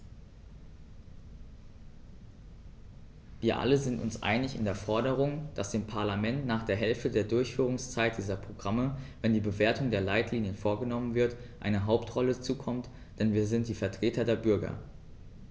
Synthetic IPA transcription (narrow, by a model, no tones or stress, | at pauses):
viːɐʔa̰ləzɪntʊ̰nsʔa̰ɪnɪçɪ̰ndeːɐfɔɐɾəʁ̞ʊŋd̥asd̥eːmpʰaɐlamɛntnaːχd̥eːɐɦɛlftədeːɐdʊɐçfyːʁ̞ʊŋst͡saɪt̚d̥iːzɐpʁ̥oɡʁaməvɛndiːbəveːɐtʊŋdeːɐlaɪtliːnjənfoːɐɡənɔmənvɪɐtʔaɪnəɦaʊptʁɔlət͡suːkʰɔmt | d̥ɛnviːɐzɪnt̚d̥iːfɛɐtʁ̥eːtɐdeːɐbʏɐɡɐ̰